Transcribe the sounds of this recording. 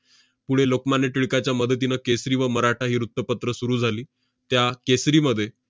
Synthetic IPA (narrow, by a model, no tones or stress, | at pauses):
puɽ̤elokmaneʈiɭkat͡ɕjaməd̪ʱət̪̬inəkesɾiːʋəməɾaʈʰaɦiːɾut̪ːəpət̪ɾəsuɾuːd͡zʱaliː | t̪jakesɾiːməd̪ʱːje